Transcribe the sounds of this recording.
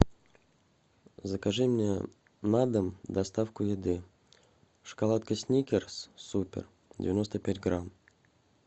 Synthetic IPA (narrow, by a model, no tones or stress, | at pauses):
zəkaʐɨmnʲe | nad̪əmd̪ɐst̪afkʊjɪd̪ɨ | ʂə̥kalˠat̪kəsʲnʲikʲɪrssupʲɪ̰r | dʲɪ̰vʲɪno̞st̪əpʲætʲɡɾam